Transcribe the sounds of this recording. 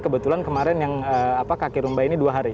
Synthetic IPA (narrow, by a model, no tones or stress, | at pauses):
kəbət̪ulankəmaɾɛnjaŋəːapakakiɾumbainiduaɦaɾi